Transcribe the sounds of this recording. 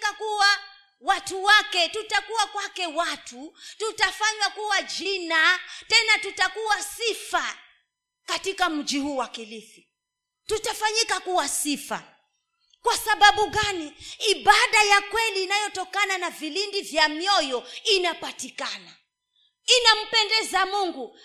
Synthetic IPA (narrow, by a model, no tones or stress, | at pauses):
kakuwa | watuwakɛtutakuwakwakɛwatututafaɲwakuwad͡ʒinatɛnatutakuwasifa | katikam̩d͡ʒihuːwakilifi | tutafaɲikakuwasifa̰ | kwasaɓaɓuɠaniiɓaɗajakwɛliːnajɔtɔkananavilindivjamjɔjɔinapatikana | inam̩pɛndɛzamuŋɡu